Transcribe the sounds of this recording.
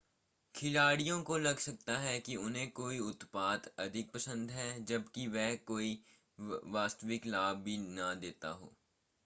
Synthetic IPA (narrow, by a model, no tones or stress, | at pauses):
kʰɪlaːɽijõkolɐɡsɐk̚t̪aɦɛkiʊnɦẽkoːiʊt̪paːt̪ɐd̪ʱɪk̚pɐsə̃nd̪ɦɛd͡ʒɐbkiʋɛːkoːi | ʋaːst̪ʋɪklaːbːʱinɐd̪eːt̪a̰ɦo̰ː